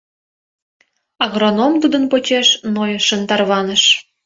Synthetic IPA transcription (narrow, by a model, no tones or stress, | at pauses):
ɑɣronomt̪ud̪ənpot͡ɕeʃnojʃənt̪ɑrβɑnəʃ